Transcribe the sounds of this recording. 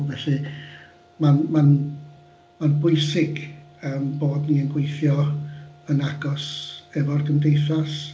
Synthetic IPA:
vɛɬɨ | manman | manbʊɨsɪɡəmboːdniənɡwejθjɔ | ənaɡɔsɛvɔrɡəmdejθas

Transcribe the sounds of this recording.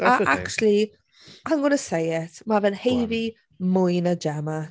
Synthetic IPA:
aʔakt͡ʃlˠi | hanɡʊnəsejɪtʰmavɛnhejvi | mʊjnad͡ʒɛma

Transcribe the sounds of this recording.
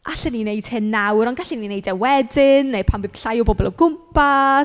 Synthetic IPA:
ʔaɬɛnineɨd̥hɪnːawɾɔnɡaɬininejdɛwɛdɪnːejpʰanbɨð̥ɬajɔbɔbɔlˠɔwɡʊmpʰa

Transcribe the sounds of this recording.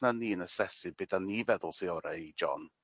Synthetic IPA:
naniːənəsɛsɨbɪdanːivɛðʊlˠseɔɾaid͡ʒɔ̰n

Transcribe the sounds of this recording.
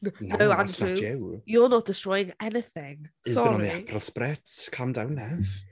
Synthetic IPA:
nnowanuɛjɔnɔt̚d̥ɪstɹɔjɪ̃ŋɛnɪθɪŋsɨɔɔɹniapʰralˠspɾɛtkʰamdawnːɛv

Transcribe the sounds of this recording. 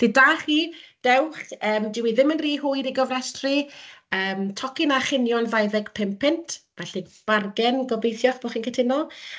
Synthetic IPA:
d̥idaːχiːd̥ɛwχəːmdɪwiðɪmənriːhʊjɾiɡɔvrɛstrɨəːmtʰɔkɪnaχɪnjɔnvajðɛɡ̥pʰɪmpʰɪntʰvɛɬib̥arɡɛnɡɔbejθjɔχb̥ɔχinkʰətʰɪnɔ

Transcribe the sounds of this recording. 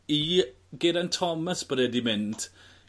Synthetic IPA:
i | ɡɪɾantʰɔməsb̥əɾɛdimɪnd̥

